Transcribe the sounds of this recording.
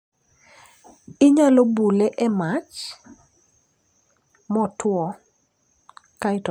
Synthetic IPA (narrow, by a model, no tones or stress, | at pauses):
ɪɲalobuleʔɛmat͡ʃ | mɔtwɔ | kaɪtɔ